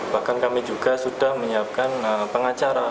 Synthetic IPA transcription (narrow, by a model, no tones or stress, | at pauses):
b̥ahkankamid͡ʒuɡasud̥ahməɲəap̚kanəpəŋat͡ʃaɾa